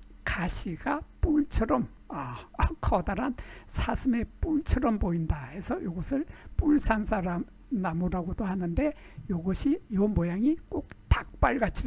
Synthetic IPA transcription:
kaɕʰiɡapuɭt͡ɕʰʌɾʌm | ʌkʰʌdaɾansʰasʰɯme̞p͈uɭt͡ɕʰʌɾʌmboindahe̞sʰʌjoɡʌsʰɯɭpuɭsʰansʰaɾam | namoɾaɡodohanɯnde̞ | joɡʌɕʰijomojaŋik͈ok̚tak̚p͈aɭɡat͡ɕʰi

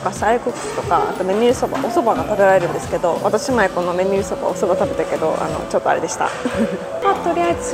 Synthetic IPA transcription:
okasaikɯkɯ̥ɯ̥t̪o̞kaʔa̰t̪o̞me̞ɲʲiɾɯ̟soba̰ʔo̞so̞baɡat̪abe̞ɾaɾe̞ɾɯ̟̃nd̪esɨ̥ke̞d̪o̞βat̪aɕimaeko̞no̞me̞ɲʲiɾɯ̟so̞ba̰osobat̪abe̞t̪eke̞d̪o̞̰ʔa̰no̞̰t͡ɕo̞t̪ːoa̰ɾe̞d̪e̞ɕi̥t̪a̰ | at̪o̞ɾʲiazɨ

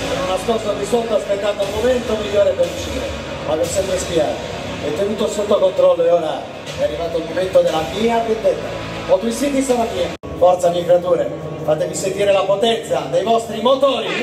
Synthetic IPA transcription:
ononaspɔsorisɔlt̪oaspet̪ːaːt̪oulmoment̪omiʎːoːɾepelit͡ʃiɾe | makɛsːɛmpɾespjaːt̪o | ɛt̪ːenuːt̪osot̪ːokont̪ɾɔlːoeoːɾa | ɛarːivaːt̪olmoment̪od̪elːamiːabend̪ɛt̪ːa̰ | pɔt̪uisit̪̬isaɾamia | fɔɾt̪samikɾat̪uːɾe | faːt̪evisent̪iːɾelapot̪ɛnt̪sad̪ejvɔst̪ɾimot̪oːɾi

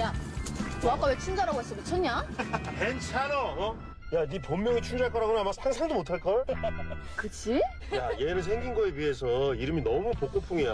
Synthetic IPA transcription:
ja | ak͈awet͡ɕʰund͡ʑaɾaɡoɦes͈ɯmtet͡ɕʰʌɲakent͡ɕʰaɾʌʌ | janipomːjʌŋit͡ɕʰuŋd͡ʑaɭk͈ʌɾaɡonaamasʰaŋsʰaŋdomotʰaɭk͈ʌɭ | kɯt͡ɕʰi | jajeɾɯɭsʰeŋɡinɡʌeɥiɦe̞sʰʌiɾɯminʌmupok͈opʰuŋija

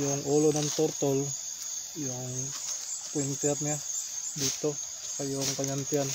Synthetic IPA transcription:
jaŋolonant̪ɔrt̪ɔl | jaŋ | point̪iat̪̚ɲabit̪o | kajɔŋp̪aɲant̪ian

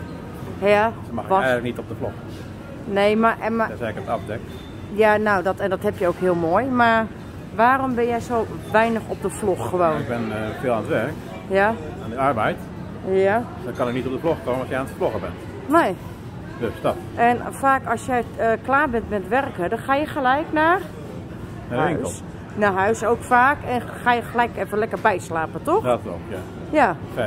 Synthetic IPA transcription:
ja | maxɛjɣələknitɔp̚dəflox | nejmamasɛkəətafdɛk | janowdɔtɛndɔthɛpjəowkhiəlˠmoəjmar | ʋaːrɔmbɪnjɛjsoːʋɛjnəxɔp̚dəfloxxəʋoːɪɡ̚bɛnfɪːlˠanətʋɛrk | jaandəɔrbɛjt | ja | dɔkɑnɪk̚nitɔp̚dəfloxkoːməɔsjəaːntəfloxəbɛ̰nt | neː | døstɔt | ɛnfaːkɔsjɛjklaːbɛntmɛtʋɛrkədɔnxaːjəxəlɛjkna | nahɪŋslˠ | naɦœɥsowkfaːkɛn | xaːjəxəlɛjkɛfəlɛkərbɛjslaːpətɔxato̰kja̰ | jaɛ

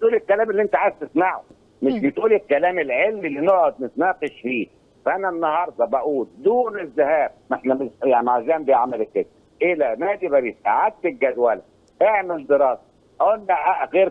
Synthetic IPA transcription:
bet̪ʔuːlekːælæːmelːiʔent̪æʕast̪esmaʕo | mɪʃʃbet̪ʔuːlekːælæːmelʕelmilːinoʕod̪̚nɪt̪næːqeʃfiː | fæʔænænːɑhɑɾˤd̪ˤɑbæʔuːld̪uːnezːæhæːb̚eħnæmjaʕniʕazæːmbeʕamælkːed̪æ | ʔelænæːd̪ibæɾiːsʔa̰ʕad̪̚t̪elɡæd̪wælæ | ʔeʕmeld̪eɾɑːsæ̥ | ʔæʔolːæʔæɣeːɾ

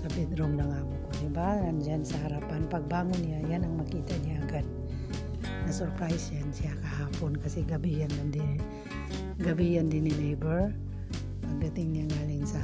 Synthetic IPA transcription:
t̪apid̪ɾumdaŋabukunibaŋand͡ʒansəɦaɾapanpak̚baŋʊnjajanaŋmakit̪adiaɡat̪̚ | nasɔrpɾajsjansiakaɦapʊnkasiɡabijanmandiɾi | ɡabijandinilebər | pak̚dat̪iŋɲaŋɡaliŋsa

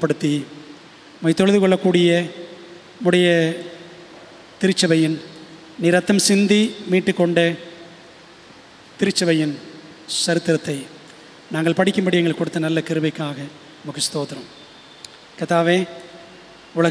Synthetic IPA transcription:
pːɐɽɯt̪ːi | mɐɪt̪ːɔɻɯðɯkɔɭːɐkːuːɽɪjɐ | mʊɽɐjɐ | t̪ɪɾɯt͡ʃːɐʋɐjɪn | nɪɾɐt̪ːɐmsɪnd̪imiːʈːɯkːɔɳɖɐ | t̪ɪɾɯt͡ʃːɐʋɐjɪn | sɐɾɯt̪ːɪɾɐt̪ːɐɪ | naːŋɡɐɭpɐɽɪkʲːɯmbɐɽɪjɐŋɡɐɭkːɔɽɯt̪ːɐnɐlːɐkɪɾɯʋɐɪkːaːɣɐ | nɐmɐkːɯst̪oːt̪ːɪɾɐm | kɐt̪ːaːʋeː | ʊɭɐ

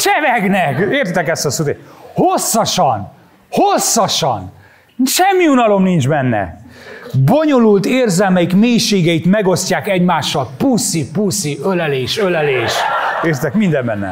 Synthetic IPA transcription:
t͡ʃɛvɛɡnɛkeːrt̪it̪ɛkɛst̪ɒsut̪ehosːɒʃɒn | ho̞sːɒʃɒn | ʃɛmːiunɒlo̞mnind͡ʒbɛnːɛ̰ | bo̞ɲo̞lult̪eːrzɛlmɛjikmeːjʃeːɡɛjit̪mɛɡo̞scaːkɛɟmaːʃːɒlpusipusiølɛleːʃølɛleːʃeːrt̪it̪ɛkmind̪ɛmbɛnːɛ̰

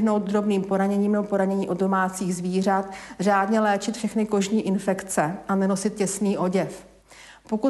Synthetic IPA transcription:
ɦno̞wt̪̚d̪ɾo̞bniːmpo̞ɾaɲɛɲiːmopo̞ɾaɲɛɲiːʔo̞ddo̞maːt͡siːɣzviːr̝at̪r̝aːdɲɛlɛːt͡ʃɪt̪fʃɛxnɪko̞ʒɲiːʔɪnfɛkt͡sɛʔanɛno̞sɪt̪̚cɛsniːʔo̞ɟɛf | po̞ku

